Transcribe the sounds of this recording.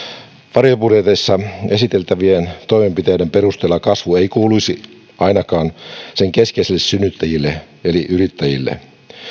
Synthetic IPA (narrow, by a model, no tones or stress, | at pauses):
ʋɑrjopudet̪esːɑesit̪elt̪æʋient̪oimempit̪eidemperust̪eːlːɑkɑsʋueikuːluisi | ʔɑinɑkɑːnseŋkeskeiselːessynːyt̪ːæjilːe | eliʔyrit̪ːæjilːḛ